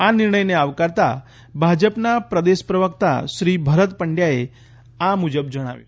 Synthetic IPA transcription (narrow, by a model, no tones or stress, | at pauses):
aniɾɳəjneaʋkaɾt̪a̰ | bʱad͡ʑəpnapɾəd̪espɾəʋəkt̪a̰ɕɾiːbʱəɾət̪pəɳɖjae | amud͡ʑəb̚d͡ʒəɽ̃a̰ʋḛ